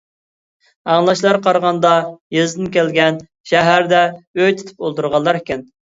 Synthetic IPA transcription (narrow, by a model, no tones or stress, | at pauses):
ɑŋlˠɑʃlˠɑɾqʰɑɾʁɑnd̪ɑjezd̪ɪnkʲɛlɡʲɛn | ʃɛɦæɾd̪ɛøjt̪ʰy̥t̪ʰy̥polˠt̪ʰuɾʁɑlːˠɑɾɪkʲɪn